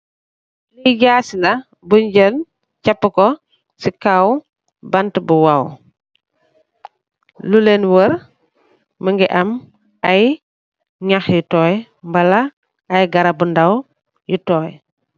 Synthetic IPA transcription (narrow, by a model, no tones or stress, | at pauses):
liɟaːsilɐ | buɲɟən | capːəkɔ | sikaw | bɐntbuwaw | lulenwəɾ | məŋɡiʔɐm | aj | ɲaxjutɔːj | mbɐlaː | jɡɐɾɐbundaw | jutɔːj